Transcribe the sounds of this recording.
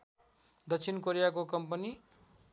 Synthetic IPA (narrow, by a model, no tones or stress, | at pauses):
d̪ʌkt͡sʰinkoɾijak̬okʌmpʌni